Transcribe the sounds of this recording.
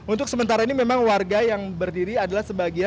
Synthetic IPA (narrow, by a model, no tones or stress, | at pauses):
ʔunt̪ʊksəmənt̪aɾainimemaŋwarɡajaŋbərdiɾiadalahsəbaɡia